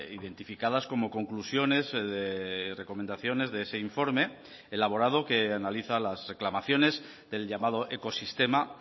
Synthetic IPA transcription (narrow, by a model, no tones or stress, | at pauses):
iðe̞nt̪ifikað̞asko̞mo̞ko̞ŋklusjo̞ne̞zðere̞ko̞me̞nd̪aθjo̞ne̞zðe̞ese̞iɱfo̞ɾme̞ | elaβ̞o̞ɾað̞o̞ke̞analiθalazre̞klamaθjo̞ne̞z | ðe̞lʎamað̞o̞ʔe̞ko̞sist̪e̞ma